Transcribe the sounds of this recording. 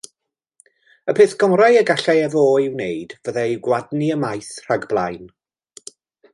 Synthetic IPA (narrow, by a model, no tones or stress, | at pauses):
əpʰeːθɡ̥ɔmrajəɡaɬɛɛvoːɪwnejd̥vəðɛiwɡwadniəmajθr̥aɡblˠajn